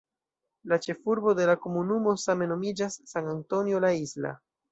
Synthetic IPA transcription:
lat͡ʃe̞fuɾbo̞de̞lako̞munumo̞same̞no̞mid͡ʒasːaŋanto̞njo̞laizla̰

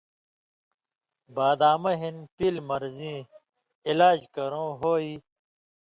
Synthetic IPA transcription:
baːd̪aːmɐɦinpilmɐɾzĩː | ilaːd͡ʑkɐɾõːɦoːiː

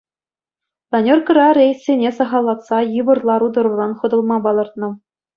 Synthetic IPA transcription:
d̪ɑnʲorkɤ̆ɾɑrʲejsʲːenʲesɑʁɑlˠːɑt̪sɑjɯʋɤ̆rlˠɑɾud̪ɤ̆ɾurɑnχɤ̆d̪ɤ̆lˠmɑbɑlˠɤ̆rt̪̚nɤ̆

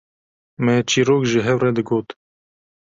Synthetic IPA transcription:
mɛt͡ʃʰiːɾoːkʒɨɦɛwrɛd̪ɨɡoːt̪

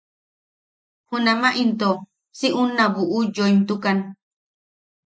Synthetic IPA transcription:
hunamaʔint̪o | siʔunːaβuʔujojnt̪ukan

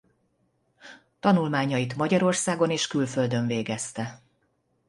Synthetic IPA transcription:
t̪ɒnulmaːɲːɒjit̪mɒɟɒɾo̞rsaːɡo̞neːʃkylfø̞ld̪ø̞ɱveːɡɛst̪ɛ

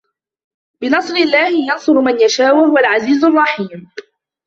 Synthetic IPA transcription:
bɪnɑsˤɾɪlːaːhɪjɑnsˤʊɾmanjaʃaːwahʊwalʕaziːzʊrˤːɑħiːm

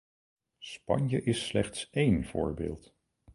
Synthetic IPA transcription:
spɑ̰ɲjəʔɪsːlɛχtsejnv̥ʊ̰ːɹbḛːlˠt

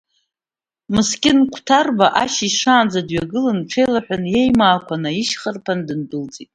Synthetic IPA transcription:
mɨskʲʼɪnkʷʰtʰarbaʔaʃiʂaːnd͡zadɥaɡɨlɨnʈ͡ʂʰejlaħʷᶣanjejmaːkʷʰanaiʃχərpʰandɨndɨlt͡sʼitʼ

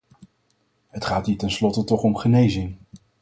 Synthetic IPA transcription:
ɦətχaːtiːtɛnslɔtətɔχɔmχənejzɪŋ

